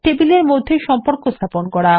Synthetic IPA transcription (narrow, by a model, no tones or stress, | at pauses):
ʈebileɾmod̪ʱːeʃɔmpoɾkost̪ʰaponkɔɽa